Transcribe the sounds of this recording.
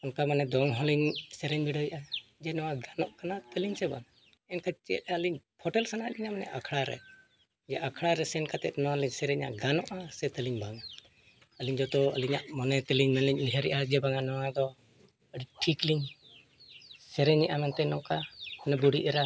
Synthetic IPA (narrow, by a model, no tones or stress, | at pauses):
ɔnkamanɛd̪ɔŋɦɔliɲsɛɾɛɲbiɖəjiʔad͡ʒɛnɔwaɡanɔʔkanat̪əliɲsɛba̰ŋ | ɛnkat͡ʃɛ̰t̪̚aəliɲpʰɔʈɛlsanaʔliɲamanɛ̰ʔakʰɽaɾɛ̰ | d͡ʒɛʔakʰɽaɾɛsɛnkat̪ɛt̪̚nɔaliɲsɛɾɛɲa̰ʔɡanɔʔasɛt̪əliɲbaŋa | əliɲd͡ʒɔt̪ɔə̰liɲaʔmɔnɛt̪əliɲmɛnliɲliɦʰəɾɛʔad͡ʒɛbaŋanɔwad̪ɔ | əɖiʈʰikliɲ | sɛɾɛɲɛʔamant̪ɛnɔkamanɛbuɽiʔɛɾa